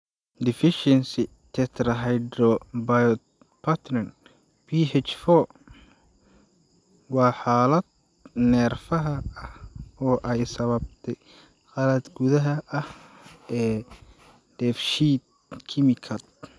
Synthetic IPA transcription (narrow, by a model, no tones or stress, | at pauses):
d̪ɪfɪʃɛnsɪ | t̪ʰɛt̪ʰrɐɦɐjɖɔbɐjɔ | pʰɐt̪ʰrn | bʰiɦɛt͡ʃfɔː | wɑːħaːlɐd̪̚ | nɛːrfɐɦɐɐhɔːʔɛjsɐβɐb̚t̪ʰɛj | qɑlɐd̪ɡʊðɐɦɐɐh | ɛː | d̪̥ɛfʃiːt̪̚ | kʰɪmɪkʰɐt̪̚